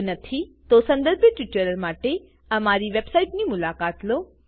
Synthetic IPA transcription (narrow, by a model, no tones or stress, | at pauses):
nət̪ʰit̪osə̃nd̪əɾbʱjəʈʋɪʈːəɾəɾmaʈe | əmaɾiʋebsaiʈnimʊlakat̪lo